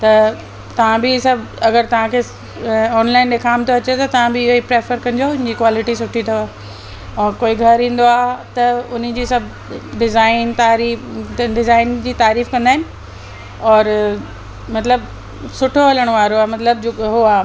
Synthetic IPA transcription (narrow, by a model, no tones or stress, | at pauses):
t̪ɐ | t̪ɐʋ̤ãbɪsɐbʱɐɡəɾt̪ɐʋ̤ãkʰe | ɔːnlaːɪnɗeːkʰaːmt̪ʰoɐt͡ɕet̪ɐt̪ɐʋ̤ãbɪɪɦoipɾeːfəɾkɐ̃nɪ̆d͡ʑoʊnɪd͡ʑiːkwaːlɪʈisʊʈʰit̪ʰoaː | ɔːɾkoːiɡʱɐɾɦĩːn̆d̪oaːɦt̪ɐʊn̆d͡ʑiːsɐbʱ | ɖɪzaːɪnt̪aːɾiːɖɪzaːɪnd͡ʑiːt̪aːɾiːfkɐ̃nd̪aːɦɪnɪ̆ | ɔːɾ | mɐt̪ləb | sʊʈʰoɦɐləɽ̃oʋaːɾoaɦemɐt̪ləb̚d͡ʑoɦoaː